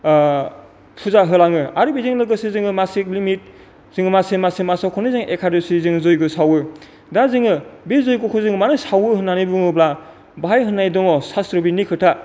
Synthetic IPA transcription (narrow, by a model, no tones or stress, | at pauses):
pʰuzaɦɯlaŋɯaɾɯbiziŋlɯɡɯsizɯŋɯmasiklimit̚ | z̥ɯŋɯmasemasemasawkʰɔnɯzɯŋʔekʰadosizɯŋzojɡɯsawɯ | dazɯŋɯbezojkokʰɯzɯŋmanɯsawɯɦɯnːanibɯŋɯbla | baajɦɯnːajdɔŋɔsastɾɔbinikʰɯtʰa